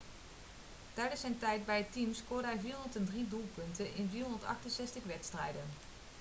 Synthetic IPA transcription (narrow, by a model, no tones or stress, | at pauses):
tɛjdəsɛjntɛjt̚bɛjətimskʊːɹdəɦɛjviːɦontəndridulˠpɵntənʔɪnviːrɦɔndətɑ̰χtənsɛstəχʋɛtstrɛjdən